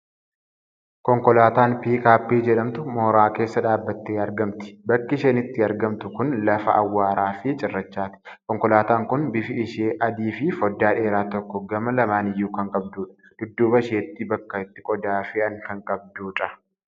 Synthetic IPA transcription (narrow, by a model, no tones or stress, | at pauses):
kɔŋkɔlaːt̪aːnpiːkaːpːiːd͡ʒɛᶑɐmt̪ʊmoːɾaːke̞ːsːɐᶑaːbːɐt̪ːeːɐɾɡɐmt̪ɪ̥bɐkːɪʃɐnɪt̪ːɪɐɾɡɐmt̪ʊkʊnlɐfɐʔɐ̰wːaːɾaːfɪt͡ʃʼɪrːɐt͡ʃːaːt̪ɪ̥kɔŋkɔlaːt̪aːŋkʊnbɪfɪɪʃeːʔɐd̪iːfɪfɔd̪ːaːᶑe̞ːɾaːt̪ɔkːɔɡɐmɐlɐmaːnɪjːuːkɐŋkʼɐb̚d̪uːᶑɐ̥d̪̥ʊd̪ːuːbɐɪʃeːt̪ːɪbɐkːɐɪt̪ːɪ̥kʼɔd̪aːfɪɐŋkɐŋkʼɐb̚d̪uːᶑɐ